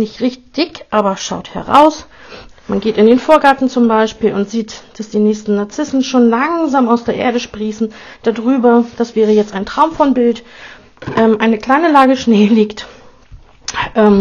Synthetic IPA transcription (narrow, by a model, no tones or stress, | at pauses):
nɪçtʁɪçtd̥ɪçʔaːbɐʃa̰ʊthɛ̰ʁa̰ʊs | manɡeːtɪndeːnfoːɐɡaɐtn̩t͡sʊmbaɪʃpiːlʊntz̥iːtd̥asd̥iːnɛːçstn̩nːaɐt͡sɪsn̩ʃoːnlaŋzaːmaʊsd̥eːɐʔḛːɐɾəʃpʁ̥iːsn̩ | d̥adʁyːbɐd̥asv̥ɛːʁ̞əjɛt͡staɪntʁ̥aʊmfɔnbɪlt | ʔɛmʔaɪnəkl̥aɪnəlaːɡəʃneːliːkt | ʔɛːm